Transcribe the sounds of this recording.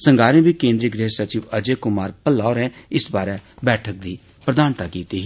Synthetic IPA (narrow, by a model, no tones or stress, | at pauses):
səŋɡaːɾẽːbiːkẽːnd̪ɾiːəɡɾeːsət͡ʃiːʋəd͡ʒeːkʊmaːɾpəlːaːoɾɛ̃ːɪsbaːɾɛːbɛːʈʰək̚d̪iː | pɾəd̪aːnt̪aːkiːt̪iːɦ